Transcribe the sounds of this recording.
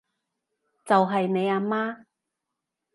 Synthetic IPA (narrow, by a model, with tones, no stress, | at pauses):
t͡sɐ˨wɦɐ˨jne˨˧jaː˧maː˥